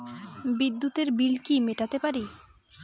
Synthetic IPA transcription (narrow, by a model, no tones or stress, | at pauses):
bid̪ːut̪eɾbilkimeʈat̪epaɾi